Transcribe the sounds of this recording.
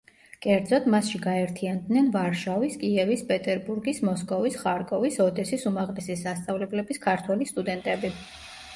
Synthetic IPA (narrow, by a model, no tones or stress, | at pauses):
kʼɛɾd̪zɔd̪masʃiɡaɛɾt̪ʰiand̪nɛnvaɾʃaviskʼiɛvispʼɛt̪ʼɛɾbuɾɡismɔskʼɔvisχaɾkʼɔvisɔd̪ɛsisumaʁlɛsisːast̪sʼavlɛblɛbiskʰaɾt̪ʰwɛlist̪ʼud̪ɛnt̪ʼɛbi